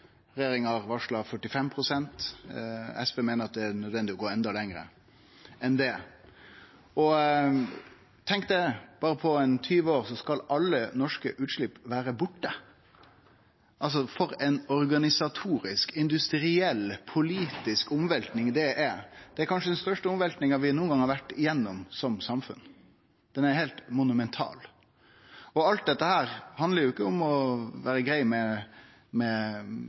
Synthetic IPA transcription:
ɾɛjeːɾɪŋɑɾʋɑʂɭɑfœʈːɪfɛmpʰɾʊsɛnt̪ | ɛspeːmeːnəɾɑt̪̚d̪ɛænœd̪ʋɛnd̪ɪɔɡoːɛnd̪ɑlɛŋɾə̰ | ɛnd̪ɛ | ɔ | t̪ʰɛŋkd̪ɛb̥ɑːɾəpʰɔɛnt̪ʰyːʋəoːʁsɔskɑlɑlːənɔʂkəʔʉːt̪ʂɭɪpːʋæːɾəbʊʈːə | ʔɑls̬ɔfɔɾɛnɔɾɡɑnɪsɑt̪ʰuːɾɪskɪnd̪ʉst̪ɾɪɛlːpʰʊliːt̪ɪskʊmʋɛlt̪nɪŋd̪ɛʔɛd̪̥ɛæɾkʰɑnʂəd̪ɛnst̪œʂʈəʊmʋɛlt̪nɪŋɑʋɪnuːənɡɑŋhɑɾʋæʈːɪjɛnːɔmsɔmsɑmfʉ̰n | d̪̥ɛnæɾhɛɪlt̪mʊnʉmɛnt̪ʰɑ̰ːl | ɔɑlt̪̚d̪ɛt̪ːəhæːɾhɑnd̪əɾjʊɪkːəʊmɔʋæːɾəɡɾæɪmɛ | mɛ

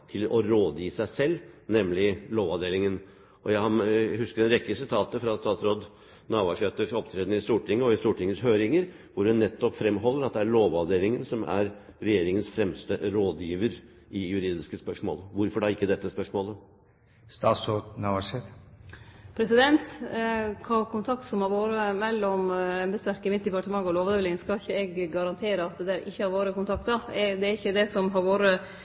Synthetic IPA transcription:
t̪ʰɪlɔɾoːd̪jiːsæɪsɛlːnɛmlɪloːʋɑʋd̪eːlɪŋən | ʔɔjæɪhɑnhʉskəɖ̪ɛnɾɛkːəsɪt̪ʰɑːt̪əfɾɑst̪ɑːt̪sɾoːd̪ | nɑːʋɑʂɛt̪əʂɔpt̪ʰɾeːd̪nəɪst̪uːʈʰɪŋːəɔɪst̪uːʈɪŋːəshøːɾɪŋəɾ | ʋʊɾɖɛnːɛt̪ːɔpfɾɛmːɦɔlːəɾɑt̪̚d̪ɛæɾɭoːʋɑʋd̪eːlɪŋənsɔmæ̰ɾɾɛjeːɾɪŋənsfɾɛmst̪əɾoːd̪jiːʋəɾ | ɪjʉɾiːd̪ɪskəspœʂmo̰ːləʋʊɾfɔɖæɾɪkːəd̪ɛt̪ːəspœʂmoːlə | st̪ɑːsɔnɑʋɑʂɛt̪ | pʰɾɛsɪd̪ɛnt̪ | kʰɑːkʊnt̪ʰɑk̚t̪sɔmhɑɾʋoːɾəmɛlːɔmɛnbəst̪æɾkəmɪt̪̚d̪ɪpɑʈəmɑŋːɔloːʋd̪eʋlɪŋskɑɪçːəɛɡːɑɾɑnt̪ʰeːɾəɑt̪̚d̪ɛd̪æːɾʔɪçːəhɑɾʋoːɾəkʊnt̪ʰɑkt̪ɑɛd̪ɛæɪçːəd̪ɛsɔmɦɑɾʋoːɾə

